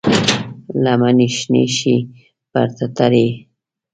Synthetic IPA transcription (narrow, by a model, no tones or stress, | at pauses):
lamaniʃnḛʃi | ba̰ɾt̪at̪aɾe